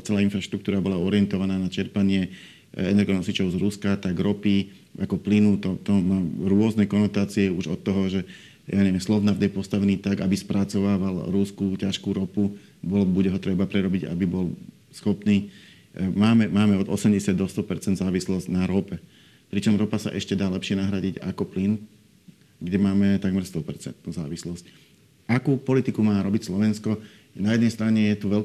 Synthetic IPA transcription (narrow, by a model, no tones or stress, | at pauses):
t͡sɛlaːinfɾaʃt̪ɾuk̚t̪uːɾabɔlaɔɾɪɛnt̪ɔʋanaːnat͡ʃɛɾpaɲɪɛ | ɛnɛɾɡɔnɔsit͡ʃɔʊzɾuskat̪aɡɾɔpi | akɔplinut̪ɔt̪ɔmaːɾʊɔznɛkɔnɔt̪aːt͡siɛuʒɔt̪ːɔɦɔʒɛ | jʔaːɲɛʋɛmslɔʋnavd̪ɛpɔst̪aʋɛniːt̪aɡabispɾʔat͡sɔʋaːʋalɾuskucaʃkuːɾɔpu | bɔlbuɟɛɦɔt̪ɾɛbapɾɛɾɔbiɟa̰bibɔl | sxɔpniː | maːmɛmaːmɛɔd̪ɔsɛmɟɛsɪad̪d̪ɔst̪ɔpɛɾt͡sɛnd̪zaːʋislɔzɟnaɾɔpɛ | pɾit͡ʃɔmɾɔpasa̰ʔɛʃcɛd̪aːlɛpʃɪɛnaɦɾaɟiɟa̰kɔplin | ɡɟɛmaːmɛt̪aɡmɛɾst̪ɔpɛɾt͡sɛ̰nt̪nuːza̰ːʋislɔsc | ʔakuːpɔlit̪ikumaːɾɔbicslɔʋɛnskɔ | najɛd̪nɛjst̪ɾaɲɛjɛt̪uʋɛl